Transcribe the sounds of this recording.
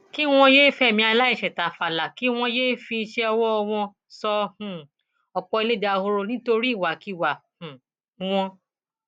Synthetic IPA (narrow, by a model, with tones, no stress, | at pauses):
ki˦w̃ɔ̃˧jeː˦fɛ˦˨mĩ˧˦a˧la˦i˦˨ʃɛ˨ta˨˦fa˨la˨ki˦w̃ɔ̃˧jeː˦fi˧ʃɛ˧ɔ˧wɔ˦ɔ˧w̃ɔ̃˧ | sɔ˧hũ˨ | ɔ˧k͡pɔ˧i˧le˦˨da˧ho˧ɾo˧nĩ˦to˧ɾi˦i˦˨wa˨˦ki˨˦˨wa˨hũ˨˦ | w̃ɔ̃˧